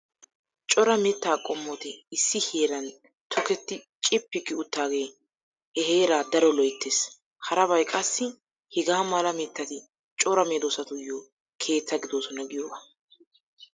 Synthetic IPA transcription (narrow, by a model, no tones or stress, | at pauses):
t͡ʃʼɔɾɐmɛt̪ːaːkʼɔmːɔt̪ɪɪsːɪheːɾɐn | t̪ʰɔkɛt̪ːɪt͡ʃʼɪpːɪkːɪʊt̪ːaːɡe̞ː | hɛheːɾaːd̪ɐɾɔlɔjt̪ːeːs | hɐɾɐβɐjkʼɐsːɪ | hɪɡaːmalɐmɛt̪ːɐt̪ɪ | t͡ʃʼɔɾɐmeːd̪oːsɐt̪ʊjːo | kʰe̞ːt͡sːɐɡɪd̪oːsɔnɐɡɪjoːbɐ